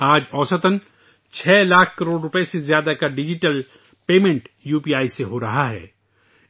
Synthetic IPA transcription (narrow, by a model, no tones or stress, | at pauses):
aːd͡ʒɔːsət̪ən | t͡ʃʰɛːlaːkʰkɐɾoːɽɾʊpesezjaːd̪akaɖɪd͡ʒɪʈəl | peːmẽɳʈjuːpiːaːiseɦoɾɐɦaɦɛ̰ː